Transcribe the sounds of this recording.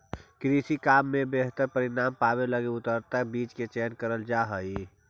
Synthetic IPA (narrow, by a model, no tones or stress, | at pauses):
kɾiːsikaːmːẽbeɦt̪əɾpəɾɪɾaːmpaːbeləɡeʊt̪əɾt̪abiːt͡ʃket͡ʃɛːnkəɾəld͡ʒaɦəi